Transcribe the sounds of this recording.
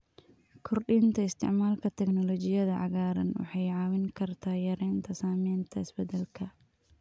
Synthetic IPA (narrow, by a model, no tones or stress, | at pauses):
kʰɔrɗint̪ʰɐɪst̪ʰɪ̰ʕmaːlkʰɐt̪ʰɛɡnɔlɔt͡ʃɪjɐðɐʕɑ̰ɣaːɾɐ̰nwɑ̰ħɑjʕɑːwɪŋkʰɐrt̪ʰaːjɐɾɛːnt̪ʰɐsaːmɛːnt̪ʰɐɪsbɛd̪ɛlkʰɐ